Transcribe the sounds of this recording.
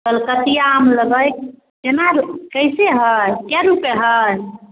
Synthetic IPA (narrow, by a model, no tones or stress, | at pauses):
kəlkət̪ijamləɡəjk | kenaɾkəjseɦəjkjaɾupeɦəj